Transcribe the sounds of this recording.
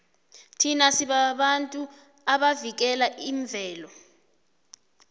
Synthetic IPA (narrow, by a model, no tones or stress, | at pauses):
tʰinasiɓaɓantʼu | aɓavik̬ɛlaʔiɱb̪vʱɛːlɔ